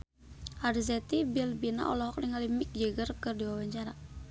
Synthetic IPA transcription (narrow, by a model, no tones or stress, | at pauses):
ʔarzɛt̪ibilbina̰ʔɔ̰lɔɦɔk̚niŋalimik̚d͡ʒəɡərkərdiwawaɲt͡ʃaɾa